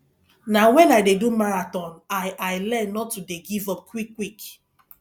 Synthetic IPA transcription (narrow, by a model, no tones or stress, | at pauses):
nawɛ̃najdedumaɹatɔ̃najʔaɪlɛnːɔtudeɡivɔp̚kwikːwik